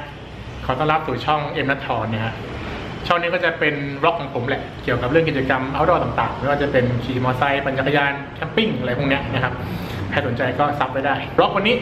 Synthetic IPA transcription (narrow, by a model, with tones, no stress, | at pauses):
kʰɔː˩˦t̪ɔː˥˩ŋɾa˦˥p̚suː˨˩t͡ɕʰɔ˥˩ŋʔe˧mna˦˥t̪ʰːɔː˧nːiː˥˩kʰa˦˥ʔ | t͡ɕʰɔ˥˩ŋniː˦˥kɔ˥˩t͡ɕa˨˩pe˧nɾɔ˦˥kʰːɔ˨˩˦ŋpʰo˩˦mlɛ˨˩ʔki˨˩əwka˨˩p̚ɾɯ˥˩əki˨˩t͡ɕa˧ka˧mʔaː˧˩wdɔː˧˩t̪a˨˩ŋt̪aː˨˩ŋma˥˩waː˥˩t͡ɕa˨˩pe˧nkʰiː˧˩mɔː˧sa˧jba˧nt͡ɕa˧˥t̪ʰːjaː˧nkʰɛ˦˧˥mpi˥˩ŋʔjʰpʰːni˦˥ɐna˦˥kʰa˦˥p̚ | pʰɛː˧˥˩so˩˦nt͡ɕa˧jkɔː˥˩sa˦˥p̚ːa˥˩jdaː˥˩jɾɔ˦˥k̚wa˧nːiː˦˥